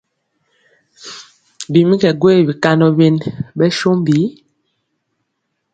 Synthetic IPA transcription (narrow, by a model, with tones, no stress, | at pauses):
bi˨mi˦kɛ˨ɡwe˦˨bi˨ka˦nɔ˨be˦nbɛ˦ʃo˦m˦bi˨˦